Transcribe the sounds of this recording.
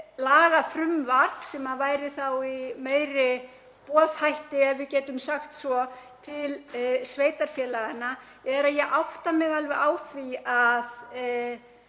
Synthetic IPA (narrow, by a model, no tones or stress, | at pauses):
laːɣafɾʏmvar̥vsɛmaðvaːjɾɪθawimeːjɾɪ | pɔːðhajht̪ɪɛvvɪðcɛːt̪ʏmsaxt̪svɔt̪ʰɪlsveːjt̪aɾ̥fjɛːlaɣanːa | ɛɾaðjɛʔawht̪amɛɣalvɛʔaːwθviað